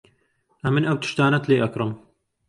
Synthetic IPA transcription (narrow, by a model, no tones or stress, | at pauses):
ʔɐmɨnɐwt̪ʰɨ̥ʃt̪aːnɐt̪ʰleːʔɐkɾɨm